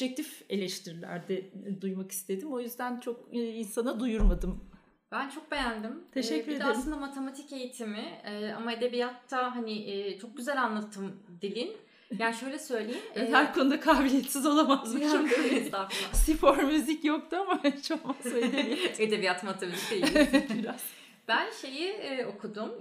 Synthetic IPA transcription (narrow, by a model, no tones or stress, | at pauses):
d͡ʒɛk̚t̪ʰife̞lʲɛʃt̪ʰiɾilʲæ̰ɾd̪ɛd̪ujmaki̥st̪ʰe̞d̪imo̞jyzd̪ænt͡ʃʰo̞kinsanad̪ujuɾmad̪ɯm | b̥ænt͡ʃʰo̞k̚be̞jænd̪imt̪ʰeʃɛcːyɾeaeslˠɯnd̪amat̪ʰe̞mat̪ʰice̞jit̪ʰimɪɛːa̰maed̪e̞bijat̪ʰːaɦanɪʔːt͡ʃʰo̞k̚ɟyzælʲanlˠat̪ʰːɯmd̪ilʲin | jaːniʃø̞jlʲɛsø̞jlʲejinɛɦæɾkʰo̞nud̪akʰaːbilʲijet̪sizo̞lˠamazmaølɛizd̪afasifoɾmyzicjok̚t̪uamaɛt͡ʃʰomasøied̪e̞bijat̪mat̪ʰemat̪icd̪ejiɾɛ | b̥ænʃe̞jiːo̞kʰud̪um